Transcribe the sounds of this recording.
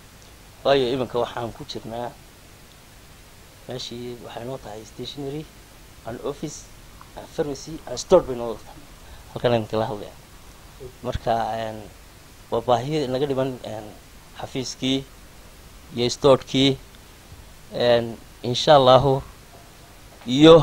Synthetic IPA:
wɑːjɔɪmɪŋkʰɐwɑħɑːŋkʰʊt͡ʃɪrnaː | mɛːʃiːwɑħɑjɪnɔːt̪ʰɐɦɛjst̪ʰɛːʃnɛɾɪ | ʔɐnɔfɪs | anfɐrmɐsianst̪ʰɔːdbɛjnɔːd̪ɐt̪ʰḁ | hɐlkʰɐnaːðɪŋkʰɐlɐɦɐd̪lɐ̰ja̰ːn | mɐrkʰɐɛːn | wɑːbaːɦɪjnɐɣɐɖɪmɐnɛːn | ħɑfiːskʰiː | ijɔɪst̪ʰɔːdkʰiː | ɛːn | ɪnʃaːlːaːɦʊ | ijɔ

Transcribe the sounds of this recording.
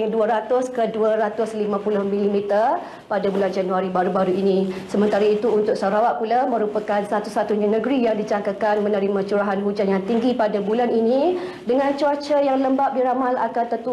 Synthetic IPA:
ŋduəɾat̪ʊskəduəɾat̪ʊslimãpulʊhmilimit̪ər | padabuland͡ʒanuaɾibaɾubaɾuinĩsəmənt̪aɾait̪uːnt̪ʊk̚saɾawaʔ̚pulamə̃ɾupəkansat̪usat̪uɲanə̃ɡɾijaŋdid͡ʒaŋkakanmənəɾimãt͡ʃuɾaɦanɦud͡ʒanjaŋt̪iŋɡipadabulanini | dəŋant͡ʃuat͡ʃəjaŋləmbaʔ̚biɾamala̰kant̪ət̪u

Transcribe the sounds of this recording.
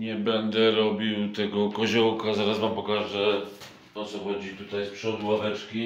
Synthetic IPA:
ɲɛbɛnd̪ɛɾɔbʲiwt̪ɛɡɔkɔʑɔwkazaɾasmampɔkaʐɛ | ɔt̪sɔɔd͡ʑit̪ut̪ajspʂɔd̪wavɛt͡ʂkʲi

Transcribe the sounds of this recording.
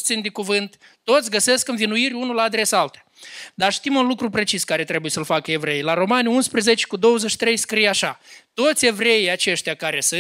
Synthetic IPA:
t̪sind̪ekuvɨnt̪ː | o̞t̪sʲɡəse̞skɨnvinuiɾʲunulaːd̪ɾe̞saalt̪ḁ | d̪aʃt̪imunlukɾupɾe̞t͡ʃiskaɾe̞t̪ɾe̞buje̞səlfakəe̞vɾe̞jlaɾo̞manunspɾeze̞t͡ʃe̥kud̪o̞wəzəʃi̥t̪ɾe̞jskɾijaʃat̪o̞t̪sʲe̞vɾe̞ijat͡ʃe̞ʃt̪ejakaɾe̞sɨ

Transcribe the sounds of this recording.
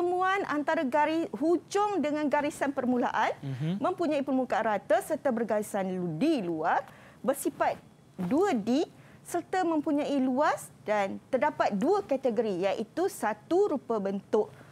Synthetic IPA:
əmũanʔa̰nt̪aɾaɡaɾihud͡ʒʊŋdəŋãnɡaɾisanpərmũla̰ʔanmə̃mpuɲãipərmukaanɾat̪asərt̪abərɡaɾisanldiluar | bərsifat̪̚ | duadi | sərt̪amə̃mpuɲãiluasdant̪ərdapat̪̚duakat̪əɡoɾijaʔit̪usat̪uɾupabənt̪ʊʔ

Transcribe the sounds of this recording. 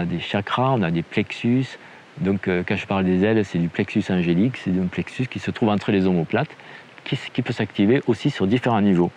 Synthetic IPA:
ɔ̃ad̪eʃakʁaɔ̃nad̪eplɛksys | d̪ɔ̃køkɑ̃ʒəpaʁld̪ezɛlsɛd̪yplɛksysɑ̃ʒeliksɛd̪ynplɛksyskʲisət̪χuvɑ̃t̪χəlezomoplat̪ | kʰʲiskʲipøsakt̪iveʔosisyʁd̪ifeʁɑ̃nivo

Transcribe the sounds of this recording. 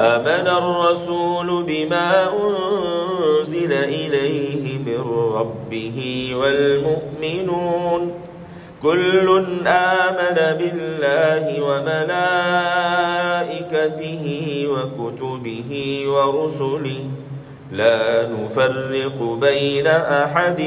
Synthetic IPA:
ʔʔaːmanarˤːɑsuːlʊbɪmaːʔʊn | zɪlaʔɪlajɦɪmɪnɾˤɑbːɪɦɪwalmʊʔmɪnuːn | kʊlːʊnʔaːmanabɪlːaːɦɪwamalaː | ʔɪkat̪ɪhɪwakʊt̪ʊbɪɦɪwɑɾˤʊsʊlɪh | laːnʊfarːɪqʊbajnaʔaħad̪

